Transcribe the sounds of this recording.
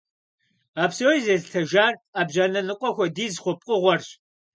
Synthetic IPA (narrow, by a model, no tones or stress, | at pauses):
aːpsowjzeztʰɐʒaːraːbʑaːnɐnɨqʷʼɔxʷɔdiːzχʷʊp̚ʼqʼəʁʷɔrɕ